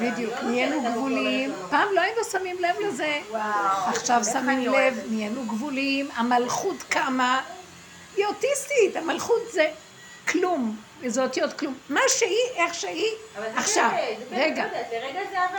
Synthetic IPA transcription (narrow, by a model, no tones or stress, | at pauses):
bidjukmienuɡvvulimpaːmloainosamimlevleze | aχʃavsamimlevmienuɡvulimamalχutkama | iotist̪ithamalχutze | klum | ezotijotklumːaʃehiʔeχʃeiaχʃavʁeɡa